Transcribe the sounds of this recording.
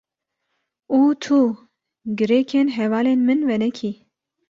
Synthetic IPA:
uːt̪ʰu | ɡɨɾeːkʰeːnɦɛvɑːleːnmɨnvɛnɛkʰiː

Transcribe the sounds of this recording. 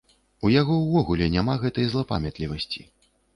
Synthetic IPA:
ujaɣɔwvɔɣulʲɛnʲamaɣɛt̪ɐjzlˠɐpa̰mʲat̪lʲivɐsʲt͡sʲi

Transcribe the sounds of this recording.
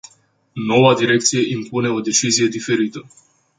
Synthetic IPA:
no̞wad̪iɾe̞k̚t̪sije̞ʔimpune̞o̞d̪e̞t͡ʃizije̞d̪ife̞ɾit̪ə

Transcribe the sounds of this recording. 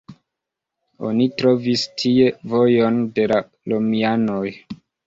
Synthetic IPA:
o̞̰nitɾo̞vistʰie̞vo̞jo̞nde̞la | lomiano̞j

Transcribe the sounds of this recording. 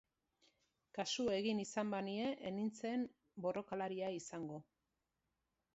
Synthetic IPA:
kasue̞ɣinisambanie̞ʔenint͡se̞m | bo̞ro̞kalaɾiaisaŋɡo̞

